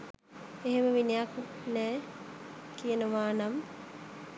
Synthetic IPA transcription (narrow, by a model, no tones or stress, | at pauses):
eɦeməʋinijakutnæː | kijənəʋaːnam